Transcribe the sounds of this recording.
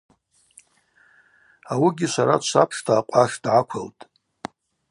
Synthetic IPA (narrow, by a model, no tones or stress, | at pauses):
awiɡʲiʃʷaɾat͡ʃʷʰapʰʂtʰaːqʷʼaʂdʕakʷʰaltʼ